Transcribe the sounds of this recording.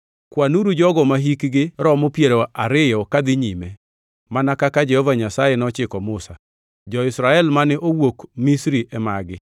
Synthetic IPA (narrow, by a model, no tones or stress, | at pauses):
kwanuɾud͡ʒɔɡɔmaɦikɡɪɾɔmopjeɾoʔaɾɪjɔkad̪ɪɲime | manakakad͡ʒɛhɔvaɲasajɛnɔt͡ʃɪkɔmʊsa | d͡ʒɔɪsɾaɛlmanɪʔowokmisɾiʔɛmaɡɪ